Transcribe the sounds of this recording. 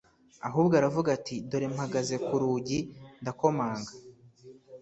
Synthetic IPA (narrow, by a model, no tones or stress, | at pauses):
aɦuːbɡoaɾavuɡatiduɾemhaɡaze̞kuɾuːɟindako̞maːŋɡa